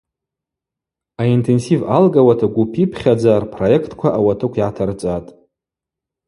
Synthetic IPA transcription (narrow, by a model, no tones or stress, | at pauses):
aintʰe̞nsivalɡawatʰaɡʷupʰipʰχʲad͡zaːrpʰroje̞kʰtʰʼkʷʰaʔawatʰɨkʷʰiʕatʰart͡sʼatʼ